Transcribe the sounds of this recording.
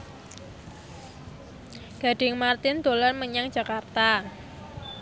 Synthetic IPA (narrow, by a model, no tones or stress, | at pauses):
ɡ̥a̤ɖ̥ɪ̤ŋmart̪ɪnd̪̥olɔrməɲaŋd͡ʒʒ̥a̤kart̪a